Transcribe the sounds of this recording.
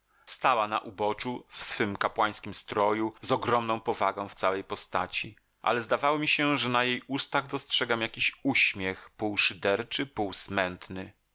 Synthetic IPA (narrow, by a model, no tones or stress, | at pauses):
st̪awana̰ʔubɔt͡ʂufsfɘmkapwaj̃skʲimst̪ɾɔjuzɔɡɾɔmnɔ̃w̃pɔvaɡɔ̃w̃ft̪sawɛjpɔst̪a̰t͡ɕi | ʔa̰lɛzd̪avawɔmʲiɕɛʐɛnajejust̪aɣd̪ɔstʂɛɡamjakʲiɕuɕmʲjɛxpuwʂɘd̪ɛɾt͡ʂɘpuwsmɛnt̪nɘ